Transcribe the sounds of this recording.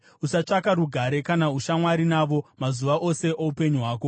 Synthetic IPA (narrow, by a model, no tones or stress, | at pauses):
usat͡ʂakaɾuɡʱaɾe̞kanauʃamwaɾinaʋo̞mazuʋaʔo̞se̞ʔoupe̞ɲuɦwaːk̬o̞